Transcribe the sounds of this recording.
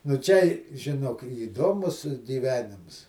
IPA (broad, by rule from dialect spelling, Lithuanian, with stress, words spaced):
nʊ ˈt͡ʃʲɛ ɪ ʒʲɪˈnoːk iːˈdoːmʊs ɡʲiːˈʋʲæːnʲɪms